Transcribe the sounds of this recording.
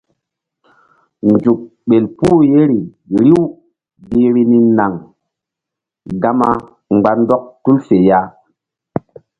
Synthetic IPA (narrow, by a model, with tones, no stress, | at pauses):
n˨d͡ʒu˨k̚ɓe˨lpuː˦je˦ɾi˨ | ɾi˦w | bi˨ɾi˨ni˨na˨ŋ | ɡa˦ma˦ | ŋ͡mɡ͡ba˨n˦dɔ˦k̚tu˦lse˨ja˦